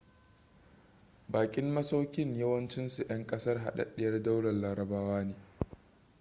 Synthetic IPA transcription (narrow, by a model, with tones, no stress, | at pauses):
baː˨kʲʼɪ˦mːɐ˦sa˦wkʲɪ˦ɲjɐ˦wɐ˦nt͡ʃɪ˦nsu˨ʔɐ˦ŋkʼɐ˦sɐ˦rɦa̰˨ɗɐ̰˦ɗɪ˦jɐ˦rda˦wɽɐ˨nlaː˨ɾɐ˨baː˦waː˦neː˨